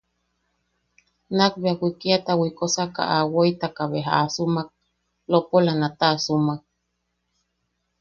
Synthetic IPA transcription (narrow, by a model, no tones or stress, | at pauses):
nak̚beawikiat̪awikosaka̰ʔawoit̪akaβeɦa̰ʔasumak̚ | lopolanat̪asumak̚